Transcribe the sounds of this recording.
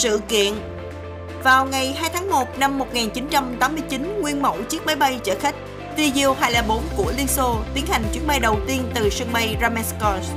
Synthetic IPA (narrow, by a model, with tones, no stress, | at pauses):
sɨ̰˧˨kḭ˧˨ən | vaː˨˩wŋa˨˩jɦaː˧jt̪ʰaː˨˦ŋmo˨˩t̚na˧mːo˨˩t̚ŋaː˨˩nt͡ɕi˨˦nt͡ɕa˧mt̪aː˨˦mːɨ˧əjt͡ɕi˨˦nŋwi˧ənmə̰˧˩wt͡ɕi˦˥ək̚maː˨˦jɓa˧jt͡ɕəː˧˩xa˦˥k̟̚ | t̪i˧zi˧əwhaː˧˩jlaː˨˩ɓo˨˦nku˧˩əli˧nso˧t̪i˨˦ənha˨˩jŋ̟t͡ɕwi˧˥ənɓa˧jɗə˨˩wt̪i˧ənt̪ɨ˨˩sə˧ŋɓa˧jzaː˧mɛ˧˥skɔ˧˩s